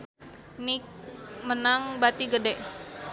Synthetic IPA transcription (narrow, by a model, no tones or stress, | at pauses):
nik̚mənaŋbat̪iɡədɛʔ